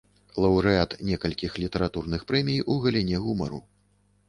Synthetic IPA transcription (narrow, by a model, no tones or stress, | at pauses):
lˠɐwɾɨat̪nʲɛkɐlʲkʲixlʲit̪ɐɾat̪urnɨxpɾɛmʲijuɣɐlʲinʲɛɣumɐ̰ɾṵ